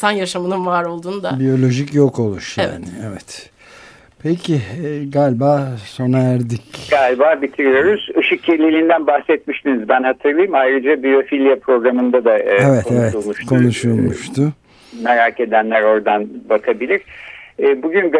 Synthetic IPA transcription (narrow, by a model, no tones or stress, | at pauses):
t̪ʰanjaʃamɯnɯnvaːɾo̞lˠd̪uːnud̪abijo̞lʲo̞ʒicjoko̞lˠuʃja̰ːnɪevɛt̪ | pʰecʰiɡalʲbaːso̞naæɾd̪icɡalʲbaːbit̪ʰiɾijo̞ɾuz̥ɯʃɯkjeɾlʲilʲind̪ænbaxsɛt̪̚miʃt̪inizbænhat̪ʰɯɾlˠajɯmajɾɯd͡ʒabio̞filʲjapʰɾo̞ɡɾamɯnd̪ad̪aevɛtoevɛulˠmuʃkʰo̞nuʃulˠmuʃt̪ʰʊ | meɾaːke̞d̪ænlʲæɾo̞ɾd̪anbakʰabilʲiɾ̥ | buɟynɡ